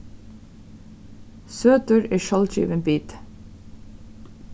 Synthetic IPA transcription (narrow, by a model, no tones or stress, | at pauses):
søːt̪əːɹeːʃɑlc͡çḭːʋənbiːt̪